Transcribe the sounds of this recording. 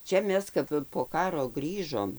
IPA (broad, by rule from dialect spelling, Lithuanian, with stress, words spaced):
ˈt͡ʃʲɛ ˈmʲɛs ˈkɐp poː ˈkɑːroː ˈɡrʲiːʒoːm